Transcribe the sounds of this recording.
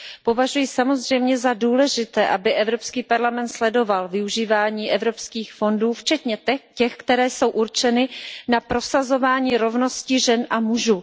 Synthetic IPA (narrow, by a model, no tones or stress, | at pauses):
po̞vaʒujɪsamo̞zr̝ɛjmɲɛzaduːlɛʒɪt̪ɛːʔabɪʔɛvɾo̞pskiːpaɾlamɛnt̪slɛdo̞valvɪuʒiːvaːɲiːʔɛvɾo̞pskiːxfo̞nduːft͡ʃɛt̪ɲɛcɛxkt̪ɛɾɛːso̞wʔuɾt͡ʃɛnɪnapɾo̞sazo̞vaːɲiːɾo̞vno̞scɪʒɛnʔamuʒuː